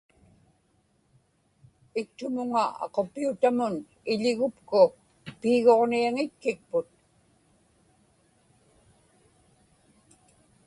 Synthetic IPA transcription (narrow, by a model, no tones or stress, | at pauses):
ɪk̚t̪ʊmʊŋaɑ̰qo̞pːiut̪amʊn | ɪʎɪɣʊpkʊ | piːɣo̞ʁniaŋɪt̪̚kɪk̚pʊt̪̚